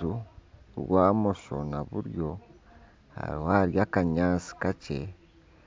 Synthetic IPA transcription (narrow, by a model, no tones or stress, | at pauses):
uɾwaːmoʃo̞̰naβuɾjo̞ | ha̰ɾihaɾjakaɲaːt͡si̥kace